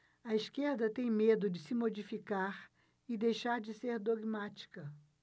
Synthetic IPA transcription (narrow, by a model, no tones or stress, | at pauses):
ɐiskeɾd̪ɐt̪ẽj̃med̪ʊd͡ʒɪsɪmod͡ʒifikaɾ | ɪd̪ejʃaɾd͡ʒɪseɾd̪oɡmat͡ʃi̥kɐ